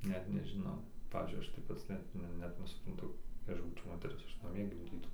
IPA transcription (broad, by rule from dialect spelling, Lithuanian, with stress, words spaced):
ˈnʲɛt nʲɛʒʲɪˈnɐʊ ˈpɑːʋʲiːzʲd͡ʒʲʊɪ ˈɐʃ tɐɪ ˈpɐts ˈnʲɛt ˈnʲɛt nʲɛsʊprɐnˈtʊ jɛɪ ˈɐʃ buːt͡ʃʲɛʊ ˈmoːtʲɛrʲɪs ˈɐʃ nɐˈmʲiɛ ɡʲɪmʲˈdʲiːtɐʊ